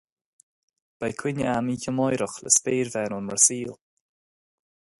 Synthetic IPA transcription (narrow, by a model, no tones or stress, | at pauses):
b̥ajkʰwɪnəamiːçəmɔjɾəxlə̰speːɾvɛːnɔnməɹsiːl